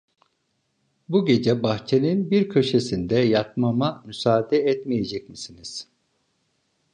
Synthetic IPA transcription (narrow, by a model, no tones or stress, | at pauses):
buɟe̞d͡ʒɛbaxt͡ʃʰe̞ninbiɾcʰø̞ʃe̞sind̪ɛjat̪mamamysaːd̪ɛɛt̪mije̞d͡ʒɛc̚misiniz̥